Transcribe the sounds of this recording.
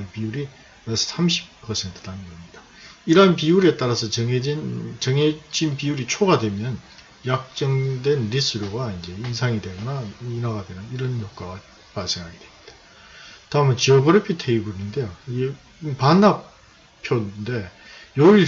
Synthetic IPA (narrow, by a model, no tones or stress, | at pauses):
npiuɾi | wesʰʌ̥sʰamɕʰi̥ppʰʌsʰe̞ntʰɯ̥danɡʌmɲid̥a | iɾʌnpiuɾe̞t͈aɾasʰʌt͡ɕʌŋeint͡ɕʌŋed͡ʑinpiuɾit͡ɕʰoɡadwe̞mjʌn | jak̚t͡ɕ͈ʌŋdwe̞nɾis͈ɯɾjoɡaind͡ʑe̞insʰaŋidwe̞ɡʌnainaɡadwe̞nɯniɾʌnçok̚k͈aɡa | paɭs͈e̞ŋɦaɡedwe̞mɲid̥ḁ | taɯmʌnt͡ɕiʌbʌɾʌpʰitʰeibuɾinɯnde̞jo | panːap | pʰjonnde̞ | joiɭ